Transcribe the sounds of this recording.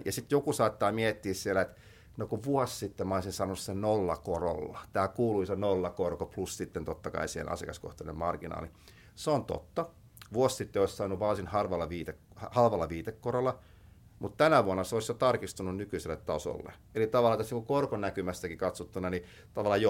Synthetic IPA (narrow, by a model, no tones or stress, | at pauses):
jɑ̰sit̪jokusɑːt̪ːɑːmiɛt̪ːiːssielæet̪ | nokuʋʋuɔssit̪ːemɑisinsɑːnonussenolːɑ̰koro̰lːɑt̪æːkuːluisenolːɑkorkoplussit̪ːent̪ot̪ːɑkɑ̰isiːhḛnʔɑ̰siḛkɑsko̰ht̪ɑinemmɑrɡ̥inɑ̰ːli | seont̪o̰t̪ːɑ | ʋuossit̪ːeoissɑːnːuʋʋɑːsinhɑrʋɑlːɑʋiːt̪ekhɑhɑlʋɑlːɑʋiːt̪ekːorolːɑ | mut̪t̪ænæʋuonːɑseolisjot̪ɑrkist̪ununnykyiselːet̪t̪ɑso̰lːḛ | elit̪ɑʋɑlːˑɑt̪osniŋkukorkonækymæst̪ækikɑt̪sut̪ːunːɑni | t̪ɑʋɑlːˑɑjo